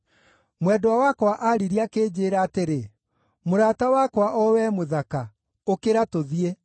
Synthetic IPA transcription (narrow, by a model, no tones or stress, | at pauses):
mwɛdɔwawakwaʔaɾiɾiakeːd͡ʑeːɾaːteɾe | moɾatawakwaʔɔwɛːmoðaka | okeɾatoðie